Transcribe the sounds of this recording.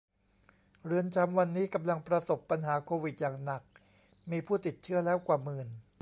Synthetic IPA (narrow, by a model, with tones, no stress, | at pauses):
ɾɯ˧ənt͡ɕʰa˧mwa˧nːiː˦˥ka˧mla˧ŋpɾa˧so˨˩pːa˧nɦaː˩˦kʰoː˧wi˨˩t̪̚jaː˨˩ŋna˨˩k̚ | miː˧pʰuː˥˩t̪i˨˩t̪̚t͡ɕʰɯ˦˥ɐlɛː˦˥wkwaː˨˩mɯː˨˩n